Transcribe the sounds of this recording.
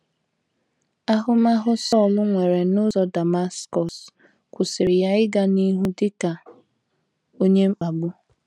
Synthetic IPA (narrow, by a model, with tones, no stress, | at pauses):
a˦ɦʊ˦ma˦ɦʊ˦sɔ˦˨lʊ˦ŋʷe˨ɾe˨nʊ˦zɔ˦da˨ma˦skɔ˨s | kʷʊ˨sɪ˨ɾɪ˨ja˦ɪ˦ɡa˦ni˦ɦu˦dɪ˦ka˨ | o˦ɲe˦ŋ͡m̩˦k͡pa˨ɡ͡bʊ˦